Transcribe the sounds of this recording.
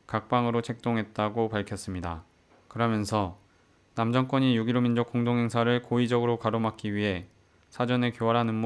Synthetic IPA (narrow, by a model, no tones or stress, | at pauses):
kak̚p͈aŋɯɾot͡ɕʰe̞k̚t͈oŋɦe̞t̚t͈aɡopaɭkʰjʌs͈ɯmɲida̰ | kɯɾʌmjʌnsʰʌ | namd͡ʑʌŋk͈wʌɲijuɡiɾomind͡ʑok͈oŋdoŋɦe̞ŋsʰaɾɯɭkoid͡ʑʌɡɯɾokaɾomak͈iɥiɦe̞ | sʰad͡ʑʌnekjowaɾɦanɯnm